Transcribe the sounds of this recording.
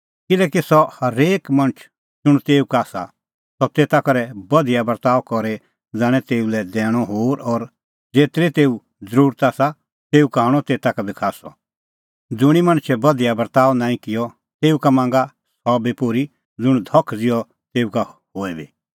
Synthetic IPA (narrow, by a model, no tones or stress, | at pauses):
kɪlɛːkisɔhɐɾeːkmɐ̃ñət͡ʃʰ | d͡zʊɽ̃t̪eːukaːsa̰ | sɔt̪eːt̪akɐɾɛbɐd̪ijabɐɾt̪aːɔkɔɾe | d͡zaːɽ̃ɛ̃t̪eːulɛd̪ɛːɽ̃ɔɦoːɾɔːɾ | d͡zeːt̪ɾet̪eːu | d͡zəɾuːɾt̪aːsa | t̪eːukãːɔt̪eːt̪akabikʰaːsɔ̰ | d͡zʊɽ̃imɐ̃ɽ̃t͡ʃʰɛbɐd̪ijabəɾt̪aːʋnãːĩkɪjɔ | t̪eːukamãːŋɡa | sɔbipoːɾi | d͡zʊɽ̃d̪ʱɔkʰd͡zɪjɔ | t̪eːukahoːebḭː